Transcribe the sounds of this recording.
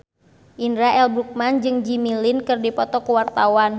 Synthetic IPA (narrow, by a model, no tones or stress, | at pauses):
ʔindɾaʔɛlbɾuk̚mand͡ʒɨŋd͡ʒimilinkɨrdipɔt̪ɔkəwart̪awan